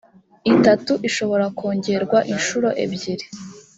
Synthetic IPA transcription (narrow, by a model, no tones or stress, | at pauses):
itatuʔiʃo̞βo̞ɾakʰoːɲɟe̞ɾɡwaʔinʃuɾo̞ʔḛbɟiɾe